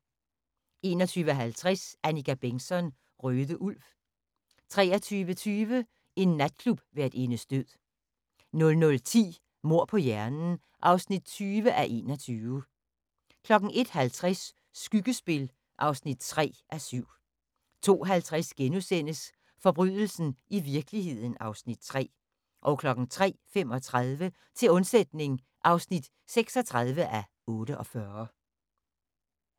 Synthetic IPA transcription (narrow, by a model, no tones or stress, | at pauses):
e̝̰ːnɒt͡sʰyːʋəæɦælt͡sʰʁɛsænikʰæb̥eŋsɒ̽n | ʁøːðˠəʔul̰f | t͡sʰʁɛ̰ːɐt͡sʰyːʋət͡sʰyːʋə | e̝nːæd̥̚kʰlub̥ʋeæd̥e̝nəsd̥øð̰ˠ | nɔ̽lnɔ̽lt͡sʰḭː | mo̝ɐ̰pʰɒ̽jæɐnn̩ | ʔɑ̈ʊsnid̥̚t͡sʰyːʋəʔæʔe̝̰ːnɒt͡sʰyːʋə | kʰlɒ̽ɡ̥ŋ̩ʔe̝d̥hælt͡sʰʁasː | ɡ̥yɡ̥əsb̥e̝l | ʔɑ̈ʊsnid̥̚t͡sʰʁɛ̰ːʔæsyʊ̰ | t͡sʰo̝̰ːɦælt͡sʰʁasɡ̥enusen̰əs | fɒ̽b̥ʁyðˠl̩sn̩iʋiɐɡ̥əlihe̝ð̞̰ˠn̩ɑ̈ʊsnid̥̚t͡sʰʁɛ̰ː | ʔɒ̽ʊkʰlɒ̽ɡ̥n̩t͡sʰʁɛ̰ːfemɒ̽t͡sʰʁaðˠʋə | t͡sʰe̝lɔ̽nsed̥ne̝ŋ | ʔɑ̈ʊsnid̥ | seɡ̥sɒ̽t͡sʰʁað̞ˠʋəʔæ | ɔ̽ːɾəʔɒ̽fɶɐ